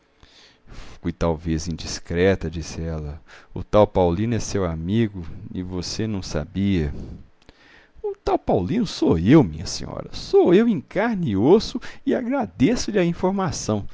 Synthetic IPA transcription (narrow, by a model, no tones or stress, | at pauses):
fujt̪awvezĩd͡ʒiskɾɛt̪ɐd͡ʒisɪɛlɐʊ̰t̪awpawlĩnʊɛsewamiɡʊɪ̰vosenɐ̃w̃sa̰biɐ | ʊt̪awpawlĩnʊsoewmĩɲɐsḛ̃ɲɔ̰ɾɐsoewĩkaɾniosʊɪaɡɾad̪esʊlɪɐĩfoɾmasɐ̃w̃